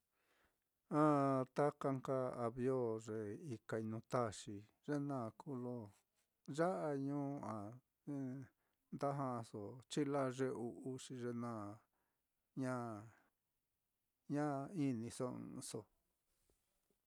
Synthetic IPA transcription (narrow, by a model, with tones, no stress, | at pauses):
ã˦t̪a˦ka˧ŋka˧a˧βjo˦ʐe˧i˧ka˧i˧nũ˧t̪a˦˨ʂi˧ | ʐe˦nãː˦˨˧kʰu˦lo˧ | ʒa˦ʔa˧ɲũː˦˧a˨˦ | nd̪a˦ɦã˧so˨t͡ʃi˦la˦ʐe˧u˧u˦ʂi˧ʐe˧nã˦˨ | ɲã˦ | ɲã˦i˦nĩ˧sõ̰˧so˧˨